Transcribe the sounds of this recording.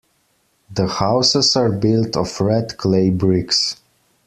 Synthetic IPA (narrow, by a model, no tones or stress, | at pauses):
ðəhaʊsəzaɹbɪlˠtʰɔfɹɛdkʰleɪbɹɪks